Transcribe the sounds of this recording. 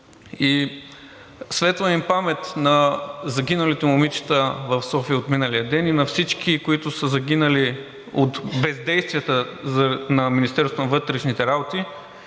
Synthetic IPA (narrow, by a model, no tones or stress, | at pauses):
i | svɛt̪vəimpamɛt̪nɐzɐɡʲinɐlit̪ɛmʊmit͡ʃɛ̥t̪əvɐfsɔfiəot̪minɐliɐd̪ɛninɐfsit͡ʃkʰikoit̪ʊsəzɐɡ̟inəli | ot̪bɛzd̪ɛjst̪vijət̪əzɐnɐminist̪ɛɾst̪ʊnɐvɤt̪ɾɛʃnit̪ɛɾabot̪i